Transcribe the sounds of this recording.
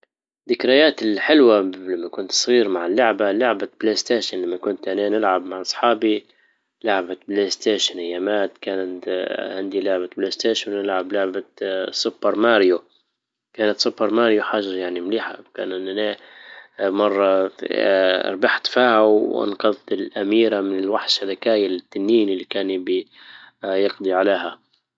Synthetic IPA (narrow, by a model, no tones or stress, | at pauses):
d̪ɪkɾajaːt̪ɪlħɪlwalamːakʊnt̪sˤɣiːɾmaʕɪlːʊʕbalʊʕbableːst̪eːʃɪnlamːakʊnt̪ʔaneːnɪlʕabmaʕʔɑsˤħɑːbi | lʊʕbableːst̪eːʃɪnɪjːamaːt̪kaːnat̪hɪnd̪ilʊʕbableːst̪eːʃnnɪlʕablʊʕbasʊbːɑɾˤmaːɾjo | kaːnat̪sʊbːɑɾˤmaːɾjoħaʒɑɾjaʕnimliːħa̰wka̰ːnɪnaneː | mɑrˤːɑ̰ | ɾˤbaħt̪fiːhawʔɑ̰nqɑðˤt̪ɪlʔamiːɾamɪnɪlwaħʃalakaːjalɪt̪ːanːiːnɪlːikaːnɪbi | jɑqd̪ˤiʕaleːɦa